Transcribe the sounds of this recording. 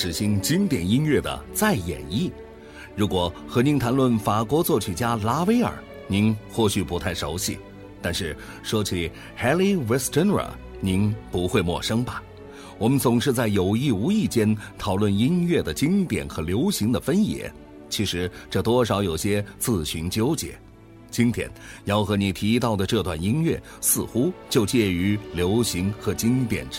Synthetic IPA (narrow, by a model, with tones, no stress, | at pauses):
ʂɻ̩˨˩ɕi˧˥ŋt͡ɕi˥ŋt̪jɛ˨˩ni˥nɥɛ˥˩d̪ə̰˩t͡sa˥˩ɪjɛ̰˨˩ni˥˩ | ɻu˧˥kwɔ˨˩xɤ˧˥ni˧˥nt̪ʰa˧˥nlwə˥˩nfa˨˩kwɔ˧˥t͡swɔ˥˩t͡ɕʰy˨˩t͡ɕja˥la˥we˥ɪə̰˞˨˩ | ni˧˥nxwɔ˥˩ɕy˨˩pu˧˥t̪ʰa˥˩ɪʂo˧˥ʊɕḭ˨˩ | t̪a˥˧nʂɻ̩˥˩ | ʂwɔ˥t͡ɕʰi˨˩ | xɛ˥li˥wɛ˧˥sʈ͡ʂə˥nə̰˞˨˩ | ni˧˥npu˧˥xwe˥˧ɪmwɔ̰˥˩ʂɤ˥ŋbɐ˨ | wɔ˨˩mə˦nt͡sʊ˨˩ŋʂɻ̩˥˧t͡sa˥˩ɪjo˨˩ʊi˥˩u˧˥i˥˩t͡ɕjɛ˥nt̪ʰɑ˨˩ʊlwə˥˩ni˥nɥɛ˥˩d̪ə˩t͡ɕi˥ŋt̪jɛ̰˨˩nxɤ˧˥ljo˧˥ʊɕi˧˥ŋd̪ə˨fə˥njɛ̰˧˥ | t͡ɕʰi˧˥ʂɻ̩˧˥ʈ͡ʂɤ˥˩t̪wɔ˥ʂ̬ɑ˧˥ʊjo˨˩ʊɕjɛ˥t͡sɹ̩˥˩ɕy˧˥nt͡ɕjo˥ʊt͡ɕjɛ̰˧˥ | t͡ɕi˥nt̪ʰjɛ̰˧˥njɑ˥˩ʊxɤ˧˥ni˨˩t̪ʰi˧˥t̪̬ɑ˥˩ʊd̪ə˩ʈ͡ʂɤ˥˧t̪wa˥˩ni˥nɥɛ̰˥˩ | sɹ̩˥˧xu˥t͡ɕjo˥˧ʊt͡ɕjɛ˥˧y˧˥ljo˧˥ʊɕi˧˥ŋxɤ˧˥t͡ɕi˥ŋt̪jɛ̰˨˩n